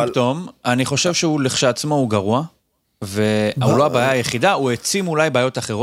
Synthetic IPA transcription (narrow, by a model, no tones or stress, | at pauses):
t̪omaniχo̞ʃevʃeuleχʃaːt͡smo̞uɡaʁua | ve̞auloabaːjaːjeχidauet͡simulajbaːjo̞t̪aχe̞ʁo